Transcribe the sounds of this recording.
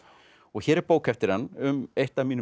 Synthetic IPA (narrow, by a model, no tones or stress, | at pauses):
ɔɣçɛɾɛɾpoːwkʰɛft̪ɪɾ̥hanːʏmejht̪amiːn